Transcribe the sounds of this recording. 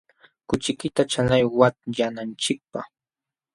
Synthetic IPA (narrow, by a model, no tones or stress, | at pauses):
kʊt͡ʃɪkɪt̪at͡ʃanajwat̪janant͡ʃɪk̚paχ